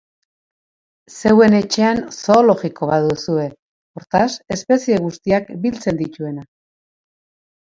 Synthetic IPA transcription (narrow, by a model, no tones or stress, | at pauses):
se̞we̞ne̞t͡ʃe̞anso̞ːlo̞ɣiko̞βaðusue̞ | o̞ɾt̪ase̞spe̞sieɣ̞ust̪iakbilt͡se̞nd̪it̪ue̞na